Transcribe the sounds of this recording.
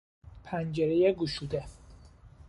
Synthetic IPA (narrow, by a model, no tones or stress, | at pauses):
pʰænd͡ʒeɾejeɡuʃuːd̪e